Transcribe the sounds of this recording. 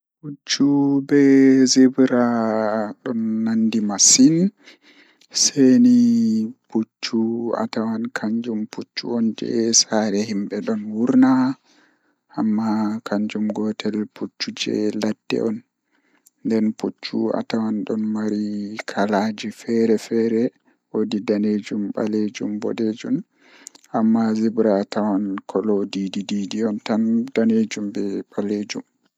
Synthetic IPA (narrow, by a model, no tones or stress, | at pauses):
put͡ʃːubɛzebɾa | ɗɔnːandimasin | seniput͡ʃːua̰tawankʰaɲd͡ʒumput͡ʃːṵɔnd͡ʒɛ̰saɾɛhimbɛɗɔnwuɾna | ʔamːakʰaɲd͡ʒumɡɔtʰɛlput͡ʃːud͡ʒɛ̰lad̥ːɛ̰ʔɔn | ndɛnput͡ʃːua̰tawanɗɔnmaɾikʰalad͡ʒifɛɾɛfɛɾɛ | wodidaned͡ʒumɓaled͡ʒumbɔ̰ɗed͡ʒun | ʔamːazibɾatawankʰɔlɔdidididiɔntand̥aned͡ʒumbɛɓaled͡ʒṵm